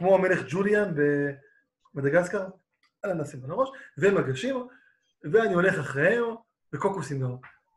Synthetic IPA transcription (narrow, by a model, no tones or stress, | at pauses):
kmoamele̞χd͡ʒulianbe | mad̪aɡaskaʁ | alanasimbalaʁo̞ʃveemaɡaʃim | veanio̞le̞χaχʁee | bekokusimdo